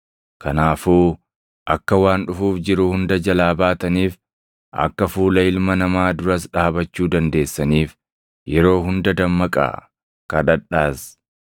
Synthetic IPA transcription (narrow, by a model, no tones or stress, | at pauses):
kɐnaːfuː | ʔɐkːɐwaːnᶑʊfuːfd͡ʒɪɾʊhʊnd̪ɐd͡ʒɐlaːbaːt̪ɐniːf | ʔɐ̰kːɐfuːlɐɪlmɐnɐmaːd̪ʊɾɐsᶑaːbɐt͡ʃːuːd̪ɐnd̪e̞ːsːɐniːf | jɛɾo̞ːɦʊnd̪ɐd̪ɐmːɐkʼa̰ː | kɐᶑɐᶑːaːs